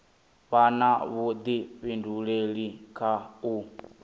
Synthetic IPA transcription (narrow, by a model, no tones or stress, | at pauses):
βanaβud̪iɸinduɺeɺikʰau